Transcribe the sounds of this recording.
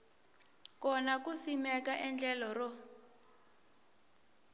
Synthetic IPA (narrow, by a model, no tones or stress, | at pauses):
kɔnakusimɛkaʔɛnd͡ɮɛlɔrɔ